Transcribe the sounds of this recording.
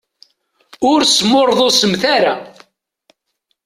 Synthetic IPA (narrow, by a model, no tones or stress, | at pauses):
ʊɾsmoɾˤðˤosəmθaɾa